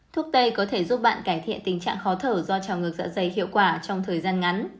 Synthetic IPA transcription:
t̪ʰu˦˥ək̚t̪ə˧jkɔ˨˦t̪ʰe˧˩zu˦˥p̚ɓa̰ː˧˨nkaː˧˩jt̪ʰḭ˧˨ənt̪ï˨˩ŋ̟t͡ɕa̰ː˧˨ŋxɔ˨˦t̪ʰəː˧˩zɔ˧t͡ɕaː˨˩wŋɨ˨˩ək̚za̰ː˧˥zə˨˩jhḭ˧˨əwkwaː˧˩t͡ɕɔ˧wŋ͡mt̪ʰəː˨˩jzaː˧nŋa˨˦n

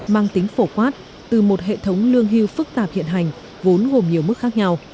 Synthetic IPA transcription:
maː˧ŋt̪ï˨˦ŋ̟fo˧˩kwaː˦˥t̚ | t̪ɨ˨˩mo˨˩t̚ɦḛ˧˨t̪ʰə˨˦wŋ͡mlɨ˧əŋɦi˧wfɨ˦˥k̚t̪aː˨˩p̚hḭ˧˨ənɦa˨˩jŋ̟ | vo˨˦nɣo˨˩mɲi˨˩əwmɨ˦˥k̚xaː˦˥k̚ɲa˧w

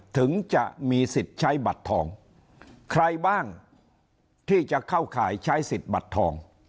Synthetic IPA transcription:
t̪ʰɯ˩˦ŋt͡ɕa˨˩ʔmiː˧si˨˩t̪̚t͡ɕʰa˦˥jba˨˩t̪ʰːɔː˧ŋ | kʰɾa˧jbaː˥˩ŋ | t̪ʰiː˥˩t͡ɕa˨˩kʰa˥˩wkʰaː˩˦jt͡ɕʰa˦˥jsi˨˩t̪̚ba̰˨˩t̪ʰːɔː˧ŋ

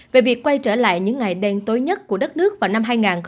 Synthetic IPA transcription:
ve˨˩vi˨˩əkːwa˧jt͡ɕəː˧˩la̰ː˧˨jɲɨ̰˧˥ŋːa˨˩jɗɛ˧nt̪o˨˦jɲə˦˥t̚ku˧˩əɗə˦˥t̚nɨ˦˥ək̚vaː˨˩wna˧mɦaː˧jŋaː˨˩nx

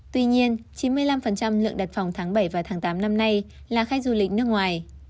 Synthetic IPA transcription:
t̪wi˧ɲi˧ənt͡ɕi˨˦nmɨ˧əjla˧mfə˨˩nt͡ɕa˧mlɨ̰˧˨əŋɗa˨˩t̚fa˨˩wŋ͡mt̪ʰaː˨˦ŋɓə˧˩jvaː˨˩wt̪ʰaː˨˦ŋt̪aː˨˦mna˧mna˧j | laː˨˩xaː˧jzu˨˩lï˨˩k̟̚nɨ˦˥əkŋwaː˨˩j

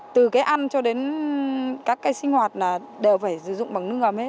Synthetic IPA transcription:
t̪ɨ˨˩kaː˨˦jʔa˧nt͡ɕɔ˧ɗe˨˦n | kaː˦˥kːaː˨˦jsï˧ŋ̟hwaː˨˩t̚naː˨˩ | ɗe˨˩wfaː˧˩jsɨ̰˧˩zʊ̰˧˨ŋ͡mɓa˨˩ŋnɨ˦˥əŋə˨˩m̚he˦˥t

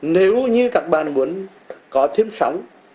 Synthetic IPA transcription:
ne˨˦wɲɨ˧kaː˨˦˥k̚ɓaː˨˩nmu˨˦ən | kɔ˨˦t̪ʰi˧əmsa̰˨˦wŋ͡m

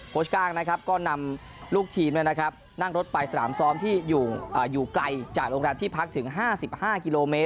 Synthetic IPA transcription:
kʰoː˦˩skaː˥˩ŋna˦˥kʰa˦˥p̚kɔː˥˩na˧m | luː˥˩k̚t̪ʰiː˧mn˥˩na˦˥kʰa˦˥p̚ | na˥˩ŋɾo˦˥t̪̚pa˧jsa˧na̰ː˩˦msɔː˦˥mt̪ʰiː˥˩juː˨˩ʔəː˨˩juː˨˩kla˧jt͡ɕaː˨˩k̚ɾoː˧ŋɾɛː˧mt̪iː˥˩pʰa˦˥k̚t̪ʰɯ˩˦ŋɦaː˥˩si˨˩p̚haː˥˩ki˧loː˧meː˦˥t̪̚

